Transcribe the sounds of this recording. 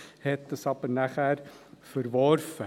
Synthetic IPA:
hɛt̪̚dəsɑpənæχærfəɾvɔrfə

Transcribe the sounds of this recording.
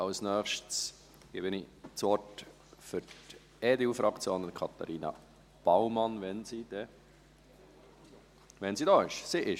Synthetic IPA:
ɑʊsnœːχʃts | ɡ̥ebɪnit͡sɔt | fʏɾt | eːdeufɾʔɑkt͡sjoːnənkʰɑt̪ɑ̰ɾiːnɑ̰ | b̥awmɑnʋɛnsid̪̥ɛ | ʋɛnsiːdɑːɪʃsiʔɪʃ

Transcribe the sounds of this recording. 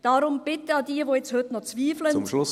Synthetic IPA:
d̥aːɾʊmb̥ɪtəɑdiːɐʋoːjɛt͡sthøtnɔχt͡sviːflənmlʊ

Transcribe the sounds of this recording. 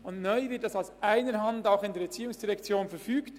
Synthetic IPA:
ʊndnœʏvɪt̚d̥ɑsaʊsʔaɪnəɾɦɑndaʊxɪndeɾbɛt͡siːʊŋsd̥iʁɛkt͡sjoːnfɛɾfyːkt

